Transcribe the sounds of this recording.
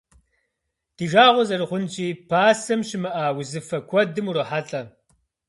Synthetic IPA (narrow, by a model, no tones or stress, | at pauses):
t̪iʐaːʁozɐɾχunt͡ɕipaːsɐmɕimɐaːwizifɐkwɐt̪̚d̪imuɾoħatʼɐ